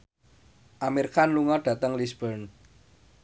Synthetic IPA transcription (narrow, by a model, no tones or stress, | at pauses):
ʔamirkanluŋɔɖ̥ä̤t̪əŋlisb̥ən